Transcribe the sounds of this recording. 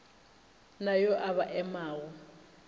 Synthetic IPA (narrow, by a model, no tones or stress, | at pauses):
najɔʔaβaʔɛmaːwɔ